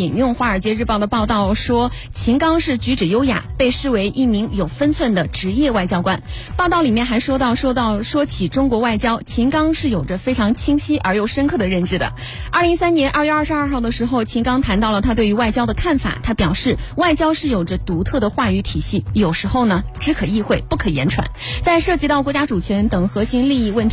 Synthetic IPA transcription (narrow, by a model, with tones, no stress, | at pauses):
i˨˩ŋjʊ˥˧ŋxwa˧˥ə˞˨˩t͡ɕjɛ˥ɻ̩˥˧pɑ˥˩ʊd̪ə˩pɑ˥˧ʊt̪ɑ˥˩ʊʂwɔ˥ | t͡ɕʰi˧˥ŋkɑ˥ŋʂɻ̩˥˩t͡ɕy˧˥ʈ͡ʂɻ̩˨˩jo˥ʊja̰˨˩pe˥˧ɪʂɻ̩˥˩we˧˥ɪʔi˥˩mi˧˥ŋjo˨˩ʊfə˥nt͡sʰwə˥˩nd̪ə˩ʈ͡ʂɻ̩˧˥jɛ˥˧wa˥˩ɪt͡ɕjɑ˥ʊkwa˥n | pɑ˥˧ʊt̪ɑ˥˩ʊli˨˩mjɛ˥˩nxa˧˥ɪʂwɔ˥t̪ɑ˥˩ʊʂwɔ˥t̪ɑ˥˩ʊʂwɔ˥t͡ɕʰi˨˩ʈ͡ʂʊ˥ŋkwɔ˧˥wa˥˩ɪt͡ɕjɑ˥ʊt͡ɕʰi˧˥ŋkɑ˥ŋʂɻ̩˥˩jo˨˩ʊʈ͡ʂə˦fe˥ɪʈ͡ʂʰɑ˧˥ŋt͡ɕʰi˥ŋɕi˥ʔə̰˞˧˥jo˥˩ʊʂə˥nkʰɤ˥˩d̪ə˩ɻə˥˩nʈ͡ʂɻ̩˥˩d̪ə̰˩ | ɐ˥˩li˧˥ŋsa˥nnjɛ˧˥nʔɐ˞˥˧ɥɛ˞˥˧˥ʂɻ̩˧ɐ˞˥˧xɑ˥˩ʊd̪ə˩ʂɻ̩˧˥xo˥˧ʊt͡ɕʰi˧˥ŋkɑ˥ŋt̪ʰa˧˥nt̪ɑ˥˩ʊlə˩t̪ʰa˥we˥˩ɪy˧˥wa˥˩ɪt͡ɕjɑ˥ʊd̪ə˨kʰa˥˩nfa̰˨˩˦t̪ʰa˥pjɑ˨˩ʊʂɻ̩˥˩wa˥˩ɪt͡ɕjɑ˥ʊʂɻ̩˥˩jo˨˩ʊə˦t̪u˧˥t̪ʰɤ˥˩d̪ə˩xwa˥˧y˧˥t̪ʰi˨˩ɕi˥˩jo˨˩ʊʂɻ̩˧˥xo˥˩ʊnə˩ʈ͡ʂɻ̩˧˥kʰɤ˨˩i˥˧xwe˥˩ɪpu˥˩kʰɤ˨˩jɛ̰˧˥nʈ͡ʂʰwa̰˧˥˦nt͡sa˥˧ɪʂɤ˥˩t͡ɕi˧˥t̪ɑ˥˩ʊkwɔ˧˥t͡ɕja˥ʈ͡ʂu˨˩t͡ɕʰɥɛ˧˥nt̪ɤ˨˩ŋxɤ˧˥ɕi˧˥ŋli˥˧i˥˧wə˥˩nt̪ʰ